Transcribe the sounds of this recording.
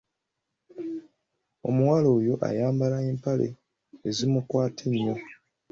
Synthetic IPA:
o̞̰muwalo̞ːjo̞ʔa̰jaːmbalaeːmpale̞̰ | ezimukwaːtʰeɲːo̞

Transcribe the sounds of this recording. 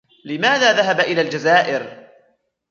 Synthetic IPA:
lɪmaːðaːðaɦabaʔɪlaːld͡ʒazaːʔɪɾ

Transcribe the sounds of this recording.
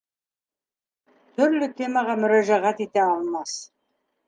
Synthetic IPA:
t̪ʰʏɾlʏt̪ʰemɑʁɑmʏɾæʒæʁæt̪et̪eɑlˠmɑs

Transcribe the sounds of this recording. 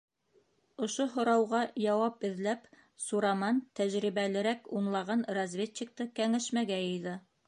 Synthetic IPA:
ŏʃoɦŏɾɑwʁɑjɑwɑp̚ɘ̆ðlæp | suɾɑmɑnt̪æʒɾiβælɘ̆ɾækunlˠɑʁɑnrɐzvʲeik̚t̪ɤkæŋæʃmæɡæjɤ̆jðɤ

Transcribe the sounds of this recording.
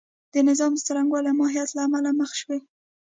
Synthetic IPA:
d̪̥ənɪzɑmd̪ət͡saɾaŋɡwɑlamɑɦijat̪laːmalaməxʃwe

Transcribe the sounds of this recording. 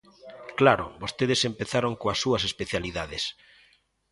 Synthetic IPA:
klaɾo̰bost̪eðesempeθaɾoŋkoasːuɐsespeθjaliðaðes

